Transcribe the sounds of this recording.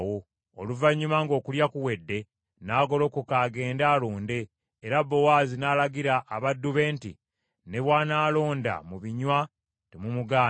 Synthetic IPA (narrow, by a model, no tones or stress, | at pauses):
wo̞ | oluvaɲːumaŋɡo̞ːkuljakuwe̞dːe̞ | naːɡo̞lo̞ːkukaːɡe̞ːndaːloːnde̞ː | ɾabːo̞waːzinaːlaɡiɾaʔːβadːuβe̞ːntḭ | ne̞βwaːnaːlo̞ːnda̰muβiɲwa | temumuɡaː